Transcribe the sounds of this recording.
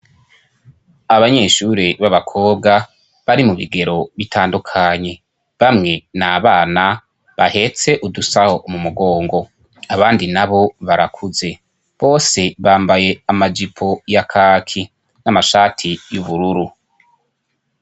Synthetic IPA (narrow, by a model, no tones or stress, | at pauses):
aβaɲe̞ːʃuɾiβaβakʰo̞ːb̚ɡa | βaɾimuβḭɡe̞ɾo̞βitʰaːndukʰaɲe̞ | βamŋe̞naːβaːna | βahe̞t͡se̞ʔudusaho̞ʔmumuɡo̞ːŋɡo̞ | aβaːndinaβo̞βaɾakʰuze̞ | βo̞ːse̞βaːmbaje̞amad͡ʒipʰo̞jakʰaːkʰi | namaʃaːtʰijuβuɾuɾu